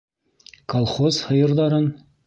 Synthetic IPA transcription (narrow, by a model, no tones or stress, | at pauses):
kolˠχozhɤ̆jɤ̆ɾd̪ɑɾɤn